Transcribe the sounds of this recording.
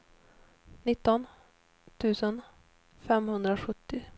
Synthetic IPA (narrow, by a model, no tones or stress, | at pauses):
nɪt̪ːɔn | t̪ʰʉ̟ːsən | fɛmhɵnd̪ɾaɧɵt̪ʰːɪ